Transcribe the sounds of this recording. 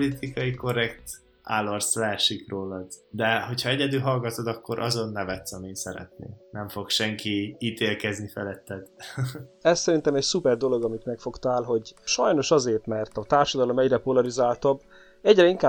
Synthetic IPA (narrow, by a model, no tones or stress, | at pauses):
olit̪ikɒjiko̞rɛkt̪ | a̰lorslɛɛʃikroːlɒd̪d̪ɛɦo̞chɒɛɟɛd̪ylɦɒlɡɒt̪od̪ɒkːoɾʔɒ̰zo̞nːɛvɛt̪sɒmiːnsɛɾɛ̰t̪nḛːnɛɱfo̞kʃɛŋkiiːt̪eːlkɛznifɛlɛt̪ːɛd̪ | ɛssɛɾint̪ɛmɛcsupɛrd̪o̞lo̞ɡɒmit̪mɛkfo̞kt̪aːlɦo̞ɟʃɒjno̞ʃɒzeːrt̪mɛrt̪ɒt̪aːrʃɒd̪ɒlo̞mɛɟrɛpo̞lɒɾizaːlt̪obː | ɛɟrɛiŋkaː